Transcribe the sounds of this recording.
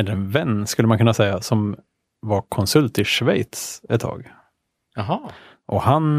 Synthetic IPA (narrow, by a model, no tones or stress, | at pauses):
ɛlːəɾɛnvɛnːskɵlːəmankɵnːasɛjːasɔm | vaɾkʰɔnsɵlt̪ɪʂvɛjt̪sɛt̪ʰːɑ̰ːɡ | aɦɑ | ʔɔhan